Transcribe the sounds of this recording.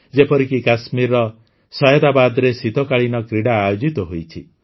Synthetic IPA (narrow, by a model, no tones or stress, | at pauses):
d͡ʒepɔɾikikasmiɾɔ | sɔjɔd̪abad̪ɾesid̪ʱɔkaɭinɔkɾiɽaːjod͡ʒit̪ɔɦojt͡ʃʰḭ